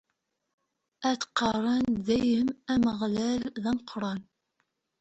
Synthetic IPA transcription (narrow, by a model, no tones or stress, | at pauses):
æθqːɑrˤɑnðæjəmæməʁlælðæmqʰɾˤɑn